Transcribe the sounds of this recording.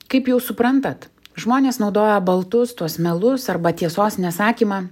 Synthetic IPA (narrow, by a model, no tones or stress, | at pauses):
kɐɪpjɛʊsʊpɾɐnt̪ɐt̪ʒmoːnʲeːsnɒʊd̪oːjɛbɐlˠt̪ʊst̪uɔsmʲɛlˠʊsɐɾbɐt̪ʲiɛsoːsnʲɛsɑːkʲiːmɑː